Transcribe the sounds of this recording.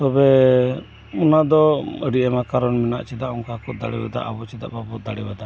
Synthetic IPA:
t̪ɔbɛ | ɔnad̪ɔəɽiʔɛmakaɾɔnmɛna̰ʔt͡ʃɛd̪aʔɔŋkakɔʔd̪a̰ɽɛ̰ba̰d̪a̰ʔa̰bɔt͡ʃid̪a̰ʔbabɔd̪aɽibad̪a

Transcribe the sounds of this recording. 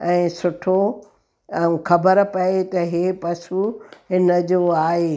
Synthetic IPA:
ɛ̃ːsʊʈʰo | ũxɐbəɾpɐet̪ɐɦeːpɐsuɦɪnə̆d͡ʑoːaːɦe

